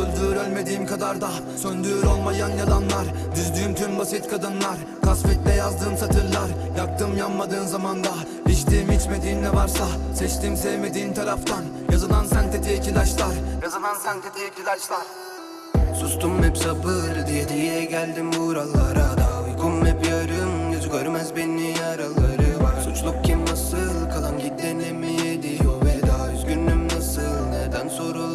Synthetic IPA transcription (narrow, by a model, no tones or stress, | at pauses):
ølʲd̪yːɾølʲme̞d̪iːimkʰad̪aɾd̪a | sønd̪yːɾo̞lˠmajanjalˠanlˠaɾ | d̪yzd̪yːymt̪ʰynbasit̪kʰad̪ɯnlˠaɾ | kʰasfɛt̪̚lɛjazd̪ɯːmsat̪ʰɯɾlˠaɾ | jak̚t̪ɯmjapmad̪ɯːmzamand̪a | it͡ʃt̪iːimit͡ʃme̞d̪iːmnɛvaɾsasɛt͡ʃt̪imsɛvme̞d̪iːimt̪ʰaɾaft̪ʰanjazɯd̪ˠansænt̪ʰet̪ʰijcʰilʲˠat͡ʃlˠaɾjazad̪ansænt̪ʰet̪ʰɛjcʰilʲaʃlˠaɾ | sust̪ʰumːɛpsabɯɾd̪ijɛd̪ijɛɟælʲd̪imbuɾalˠaɾad̪kʰumːɛbjaɾɯmjyzɟʲøɾmæzbenːiaɾalˠaɾɯsut͡ʃlˠuk̚cʰʲimnasɯlˠkʰalˠanɟit̪̚ːɛnɛmejɛd̪iobd̪azɡynːymnasɯlˠneɾd̪ænsonɾa